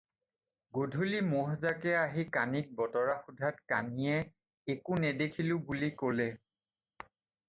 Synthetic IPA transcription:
ɡodʱulimɔɦzakɛaɦikanik̚bɔtɔɹaxudʱatka̰nijɛ | ekunɛdekʰilʊbulikolɛ

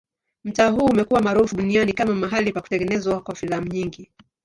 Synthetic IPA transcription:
m̩taːɦuːmɛkuwamaɾufuɗunianikamamaɦalipaku̥tɛŋɡɛnɛzwakwafilam̩ɲiŋɡi

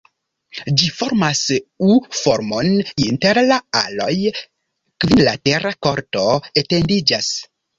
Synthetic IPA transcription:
d͡ʒifo̞ɾmasufo̞ɾmo̞ninte̞ɾlaalo̞j | kvinlate̞ɾako̞ɾto̞ete̞ndid͡ʒas

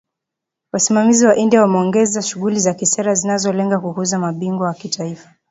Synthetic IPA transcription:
wasimamiziwaʔindiawamɛɔŋɡɛzaʃuɣulizakisɛɾazinazɔlɛŋɡakuhuzamaɓiŋɡwaakitʰaifḁ

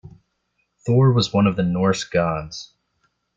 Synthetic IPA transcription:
θɔɹwʌzwʌ̃nʌvðɨnɔɹsɡ̥ɑ̃nz̥

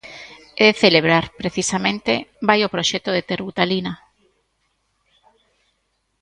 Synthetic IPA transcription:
eθeleβ̞ɾaɾpɾeθisamẽnt̪ebajopɾoʃɛt̪oðet̪eɾβut̪alina

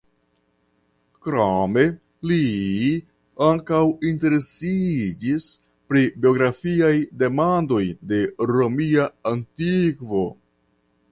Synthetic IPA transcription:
kɾame̞ | li | aŋkawinte̞ɾe̞sid͡ʒis | pɾibio̞ɡɾafiajde̞mando̞jde̞ɾomiaːntikvo̞

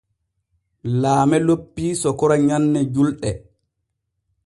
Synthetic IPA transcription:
laːmɛlopːiːsɔkɔɾaɲanːɛd͡ʒulɗɛ

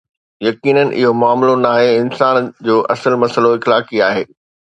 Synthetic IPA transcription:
jɐkiːnən̆ʔɪ̰ɦomʊaːmlonaːɦeɪnsaːnd͡ʑoːʔɐsəlmɐsəloɪxlaːkiaːɦeː

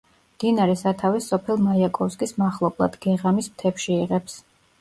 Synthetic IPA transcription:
md̪̥inaɾɛsat̪ʰavɛsɔpʰɛlˠmajakʼɔfskʼismaχlˠɔblˠa̰d̪ɡɛʁamismt̪ʰɛpʃiiʁɛps

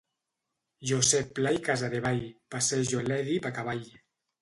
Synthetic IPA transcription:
ʒosɛpːlajkazaðeβajpasɛʒolɛðipakaβaj

